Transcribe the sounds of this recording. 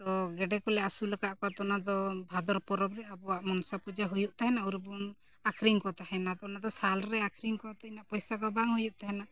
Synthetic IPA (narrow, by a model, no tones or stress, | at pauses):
t̪ɔɡɛɖɛkɔlɛasuləkaʔkɔat̪ɔnad̪ɔbʱad̪ɔɾpɔɾɔbɾɛabɔwaʔmɔnsapud͡ʒaɦujuʔt̪aɦɛnauɾbun | akʰɾiŋkɔt̪aɦɛnat̪ɔnad̪ɔsalɾɛakʰɾiŋkɔt̪ɛinaʔpɔjsakɔbaŋhujuʔt̪aɦɛna